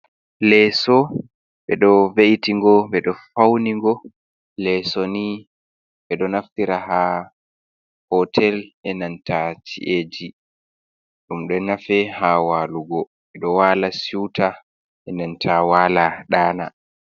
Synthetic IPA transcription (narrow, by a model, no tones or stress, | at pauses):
lɛsɔ | ɓɛɗɔveʔitiŋɡɔɓɛɗɔfawniŋɡɔ | lɛsɔni | ɓɛɗɔnaftiɾaɦa | hɔtʰɛlʔɛnantat͡ʃḭʔed͡ʒi | ɗumɗɔnafɛhawaːluɡɔ | ɓɛɗɔwaːlasuwta | ʔɛnantʰawaːlaɗaːna